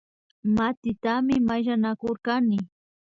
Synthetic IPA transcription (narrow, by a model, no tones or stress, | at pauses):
mat̪ɪt̪amɪmaʒanakoɾkanɪ